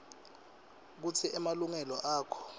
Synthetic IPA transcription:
k̬ut͡sʰiʔɛmaluŋɛlɔʔaːkʰɔ̥

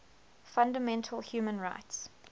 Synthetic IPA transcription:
fʌ̃ndəmɛ̃ntʰəlhjʉːmə̃nɹa̰ɪts

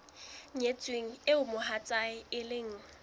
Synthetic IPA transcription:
ɲet͡sʼweŋ̩ɪʊmʊɦat͡sʼaɪɪlɪŋ̩

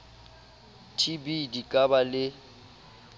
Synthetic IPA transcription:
tʰibidikʼabalɪ

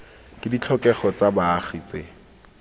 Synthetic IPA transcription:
kʼɪdit͡ɬʰɔkɛχɔt͡sabaːχit͡se

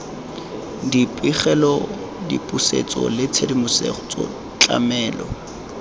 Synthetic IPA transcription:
dipʼiχɛlɔ | dḭpʼusḛt͡sʼɔ̰lɪt͡sʰedimʊsḛχʊt͡sʼɔ̰ | t͡ɬʼa̰mɛːlɔ

